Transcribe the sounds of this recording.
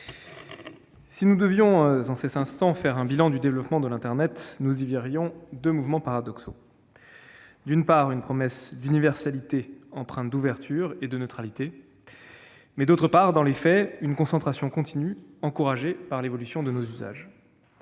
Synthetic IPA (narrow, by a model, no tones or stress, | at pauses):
sinud̪əvjɔ̃zɑ̃sɛt̪ɛ̃st̪ɑ̃fɛʁɛ̃bilɑ̃d̪yd̪evlɔpmɑ̃d̪əlɛ̃t̪ɛʁnɛt̪nuziviʁjɔ̃d̪ømuvmɑ̃paʁad̪ɔkso | d̪ynpaʁynpχɔmɛsd̪ynivɛʁsalit̪eɑ̃pχɛ̃t̪d̪uvɛʁt̪ʰyʁed̪ənøt̪χalit̪e | mɛd̪ot̪χəpaʁd̪ɑ̃lefɛynkɔ̃sɑ̃t̪χasjɔ̃kɔ̃t̪ʰinyɑ̃kuʁaʒepaʁlevɔlysjɔ̃d̪ənozyza̰ʒ